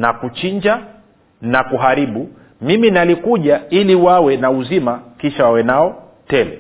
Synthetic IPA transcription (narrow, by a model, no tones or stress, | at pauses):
nakut͡ʃiɲd͡ʒa | nakuɦaɾiɓu | miminalikuʄailiwawɛnauzimakiʃawawɛnaɔ | tɛla